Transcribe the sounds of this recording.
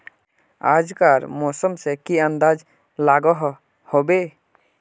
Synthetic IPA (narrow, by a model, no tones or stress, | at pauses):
a̰d͡ʒkaɾmɔsɔmsekiand̪ad͡ʒ | laɡɔɦ | hobe